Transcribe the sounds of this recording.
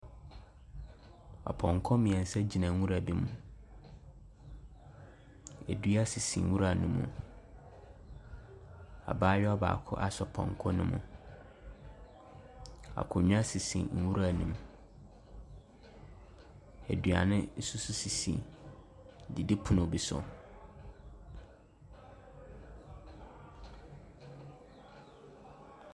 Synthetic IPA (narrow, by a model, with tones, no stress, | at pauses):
ɔ̰˨pʰɔ̃˨ŋkʰɔ˦mĩ˨ɛ̃˨n˨sɛ˦d͡ʑi˨nã˨˦wũ˦ɾa˨bi˦mũ˨ | ɛ˨du˦a˦si˨sḭ̃˨˦wu˦ɾa˨nʊ̃˨mṵ̃˨ | a̰˨baː˦jɔ˦ɔ˦ba̰ː˨kʰʊ̰˦ʔa˦sɔ˨pʰɔ̰̃˨ŋkʰɔ̃˦nʊ̃˦mʊ̃˨ | a̰˨kʰʊ˨ɲᶣ˦ã˦si˨sḭ̃˨˦˨wu˦ɾa˦˨nũ˨m˨ | æ̰˨dɥa˨nɪ̃˦n̩˦su˦su˦si˨sḭ̃˨ | dɪ˨dɪ˦pʰu˦nʊ̃˨bi˨sʊ̰˨